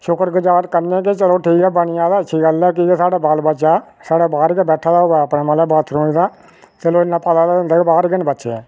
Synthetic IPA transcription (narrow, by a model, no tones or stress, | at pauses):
ʃʊkəɾɡəd͡ʒaːt̪kəɾnẽːket͡ʃəloːʈʰiːkɛːbəɳɪjãːd̪aːətːʃʰiːɡəlɛːk̬ɪsaːɽaːbalbəːt͡ʃaː | saːɽaːbaːɾkɛbɛːʈʰːaːd̪aːoːbɛːəpnaːmalaːbaːt̪ʰɾoːid̪aː | t̪eloːɪnːãːpəd̪aːd̪aʊ̃nd̪aːkebaːɾɡɪnbətːʃḛɛ̰ː